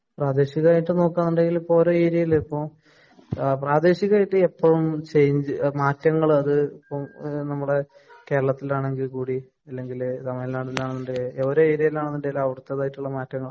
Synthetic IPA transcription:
praːd̪e̞ːɕiɣɐaːjiʈːɨno̞ːkːaːnːuɳɖe̞ŋɡilipːo̞oɾoeːɾjɐjilipːom | praːd̪e̞ːɕiɣaːjiʈːɨepːɐɻumt͡ɕe̞jɲd͡ʑɨmaːtːɐŋːɐɭɐðɨipːomnɐmːuɽe̞ | ke̞ːɾɐɭɐt̪ːilaːɳe̞ŋɡilkuːɽi | ɐlːe̞ŋɡilt̪ɐmɐjilnaːɽilaːɳenːuɳɖeeʋɐɾoe̞ːɾjɐjilaːɳenːuɳɖelːaɐʋiɽut̪ːeðaːjiʈːuɭːɐmaːtːɐŋːɐɭ

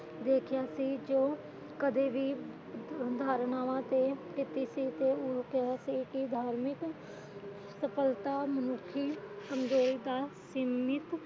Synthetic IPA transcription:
d̪eːkʰjaːsiːd͡ʒoː | kəd̪eːbiː | d̪ʱaːɾnaːʋãt̪eːkɪt̪isiːt̪eʊkasiːkid̪ʱaːɾmɪk | səpəlt̪aːmənʊkʰiː | səŋɡoːid̪aːsimɪt̪

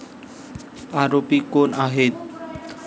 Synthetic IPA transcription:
aɾopikonaɦet̪̚

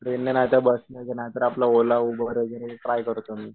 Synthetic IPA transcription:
pɾenːenat̪jabəsnək̪ənat̪əɾaplaolaubʱəɾəd͡zəɾʈɾajkəɾt̪omiː

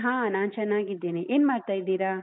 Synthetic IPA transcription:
ɦãːnaːnt͡ʃɐnːaːɡid̪ːeːneʔeːnmaːɽt̪aːjid̪iːɾaː

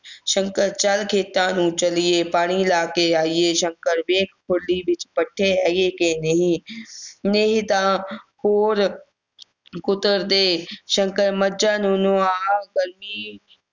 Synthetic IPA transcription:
ʃə̃ŋkəɾt͡ʃəlkʰeːt̪ːãːnũt͡ʃəlieːpaːɽ̃ilaːkeaːieʃə̃ŋkəɾʋeːkʰpʰʊɽlibɪt͡ʃpəʈʰːeɛjekenɐɦĩ | neɦĩt̪ãːkoːɾ | kʊt̪əɾd̪eːʃə̃ŋkəɾməd͡ʒaːnũnoaːɡəɾmiː

